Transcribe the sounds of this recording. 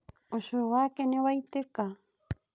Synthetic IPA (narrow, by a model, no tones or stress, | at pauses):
oʃoɣakeneβajt̪eka